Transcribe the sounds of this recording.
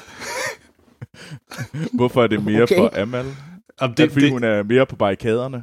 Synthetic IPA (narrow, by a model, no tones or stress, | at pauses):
ʋɔfɒ̽æɐd̥e̝me̝ːɐfɒ̽ʔæmæl | fɒdiːhunæɐme̝ːɐpʰɒ̽b̥ɑ̈ikʰɛːð̞ˠɐnə